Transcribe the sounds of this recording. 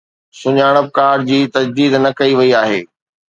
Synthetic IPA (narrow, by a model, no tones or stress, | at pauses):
sʊɲaːɽ̃əb̚kaːɾd͡ʑiːt̪ɐd͡ʑd̪iːd̪nɐkɐiʋɐiaːɦḛː